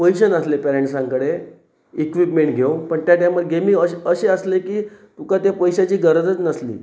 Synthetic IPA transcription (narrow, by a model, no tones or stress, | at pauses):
pəjɕənəslepɛɾeɳʈsãŋkəɽe | ikʋipmeɳʈɡʱewpəɳt̪jaʈjaməɾɡʱemiːəəɕeəslekiːt̪ukat̪epəjɕat͡ɕiːɡəɾəd͡zət̪nəslḭː